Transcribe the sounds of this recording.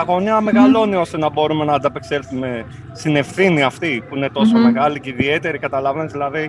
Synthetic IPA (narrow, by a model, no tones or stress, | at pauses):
ɐɣo̞niɐme̞ɣɐlo̞nio̞st̪e̞nɐbo̞ɾume̞nɐːnd̪ɐpe̞kse̞lθume̞ | st̪ine̞fθiniɐft̪ipuine̞t̪o̞so̞me̞ɣɐliceiðie̞t̪e̞ɾikɐt̪ɐlɐvenezðilɐði